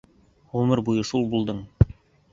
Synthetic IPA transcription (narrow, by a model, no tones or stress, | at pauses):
ʁɵmɤɾbujɤʃulˠbulˠd̪ɤɴ